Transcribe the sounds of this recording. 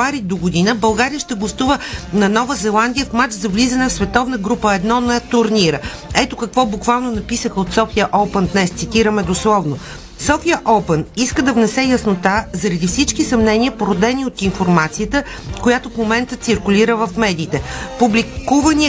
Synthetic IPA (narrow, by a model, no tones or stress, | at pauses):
aɾid̪oɡʊd̪inəbɐlˠɡaɾijəʃt̪ɛɡlˠɐst̪uvənɐnɔvəzɛlˠand̪ijəfmat͡ʃzɐvlizɐnɛfsvɛt̪ɔvnəɡɾupəɛd̪nɔnoɛt̪ʊɾniɾə | ɛt̪okɐkvɔbukvalˠnonɐpisəxəot̪sɔfiəʔɔpənd̪nɛst̪sit̪iɾəmɛd̪oslˠɔvno | sɔfiəʔɔpəniskəd̪ɐvnɛsɛjɐsnot̪azɐɾɐd̪ifsit͡ʃkisɐmnɛniəpoɾod̪ɛniot̪infoɾmat̪sijət̪ə | kojat̪ofmomɛnt̪ət̪siɾkʊlʲiɾəvəfmɛd̪iːt̪ɛpublikkuvəni